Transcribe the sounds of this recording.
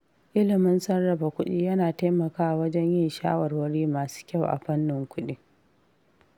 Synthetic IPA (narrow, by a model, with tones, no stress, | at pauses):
ʔɪ˦lɪ˨mɪ˦nsɐ˦nɽɐ˨ba˨kʷʊ˦ɗiː˦jɐ˦naː˨ta˦mɐ˨kaː˦a˨wɐ˦d͡ʒɛ˦ɲjɪ˦nʃa̰ː˦wɐ˨rwɐ˦ɽiː˦maː˨su̥ː˦kʲa˦˨wʔa̰˨ɸɐ˦nːɪ˨ŋkʷʊ˦ɗiː˦